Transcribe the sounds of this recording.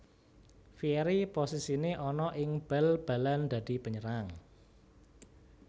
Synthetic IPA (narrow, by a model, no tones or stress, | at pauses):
fiɛɾiposisineʔɔnɔʔɪŋb̥ɛ̤lb̥a̤land̪̥a̤d̪̥i̤pəɲəɾaŋ